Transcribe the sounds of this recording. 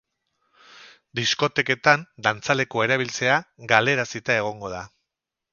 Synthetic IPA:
d̪isko̞t̪e̞ke̞t̪and̪ant͡sale̞ko̞e̞ɾaβilt͡se̞aɡale̞ɾasit̪ae̞ɣ̞o̞ŋɡo̞ð̞a

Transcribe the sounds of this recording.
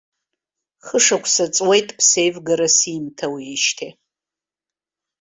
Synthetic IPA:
χəʂɐkʷʰsɐt͡sʼwejtʼpʰsejvɡɐɾɐsimtʰɐwiːʃtʰe

